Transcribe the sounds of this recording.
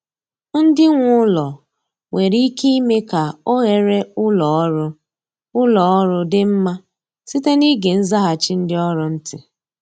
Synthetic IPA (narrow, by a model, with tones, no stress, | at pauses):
n̩˦dɪ˦ŋʷʊ˦lɔ˨ | we˨ɾi˦ki˦i˦me˦ka˨o˦ɣe˨ɾe˦ʊ˦lɔ˨˦ɾʊ˦ | ʊ˦lɔ˨ɔ˦ɾʊ˦dɪ˦m̩˦ma˦ | si˦te˦ni˦ɡe˨n̩˦za˦ɦa˨t͡ʃi˦n̩˦dɪ˦ɔ˦ɾʊ˨˦n̩˦tɪ˨